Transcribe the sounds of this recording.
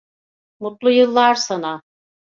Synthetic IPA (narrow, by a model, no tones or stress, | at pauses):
mut̪lˠujɯlˠːaɾsana